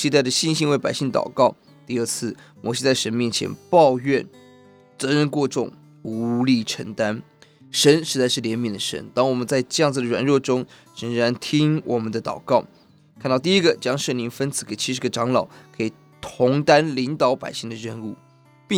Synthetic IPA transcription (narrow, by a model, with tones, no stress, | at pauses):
ɕi˥t̪a˥˩ɪd̪ə˩ɕi˥˧nɕi˥˧ŋwe˥˩ɪpa̰˨˩ɪɕi˥˩ŋt̪ɑ̰˨˩ʊkɑ˥˩ʊ | t̪i˥˧ə˞˥˧t͡sʰɹ̩˥˩mʔɔ˧˥ɕi˥t͡sa˥˩ɪʂə˧˥nmjɛ˥˩nt͡ɕʰjɛ̰˧˥npɑ˥˧ʊɥɛ˥˩n | t͡sɤ˧˥ɻə˥˧nkwɔ˥˧ʈ͡ʂʊ̰˥˩ŋ | u˧˥li˥˩ʈ͡ʂʰə̰˧˥ŋt̪a˥n | ʂə˧˥nʂɻ̩˧˥t͡sa˥˧ɪʂɻ̩˥˩ljɛ˧˥nmi˨˩nd̪ə˨ʂə̰˧˥nt̪ɑ˥ŋwɔ˨˩mə˦nt͡sa˥˧ɪʈ͡ʂɤ˥˧jɑ˥˩ŋd͡z̩˩d̪ə˩ɻwa̰˨˩nɻwɔ˥˩ʈ͡ʂʊ˥ŋ | ɻə˧˥ŋɻa˧˥nt̪ʰi˥ŋwʔɔ˨˩mə˦nd̪ə˧t̪ɑ̰˨˩ʊkɑ˥˩ʊ | kʰa˥˧nt̪ɑ˥˧ʊt̪i˥˧i˥ɡə˨t͡ɕjɑ˥ŋʂɤə˥˩nli˧˥ŋfə˥nt͡sʰɹ̥̩˧˥ke˨˩ɪt͡ɕʰi˧˥ʂɻ̩˧˥ɡə˧ʈ͡ʂɑ˧˥ŋlɑ˨˩ʊkʰɤ˧˥i˨˩ | t̪ʰʊ˧˥ŋt̪a˥nli˧˥ŋt̪ɑ˧˥ʊpa̰˨˩ɪɕi˥˩ŋd̪ə˩ɻə˥˧nu˥˩ | pi˥˧